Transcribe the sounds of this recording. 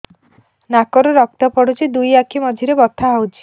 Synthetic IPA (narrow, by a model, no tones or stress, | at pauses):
nakɔɾɔɾɔk̚t̪ɔpɔɽut͡ʃʰid̪ujakʰimɔd͡ʒʱiɾebɔt̪ʰaɦawt͡ʃʰi̥